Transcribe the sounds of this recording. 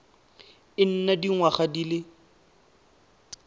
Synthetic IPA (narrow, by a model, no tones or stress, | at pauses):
ɪn̩nadiŋwaχadilɪ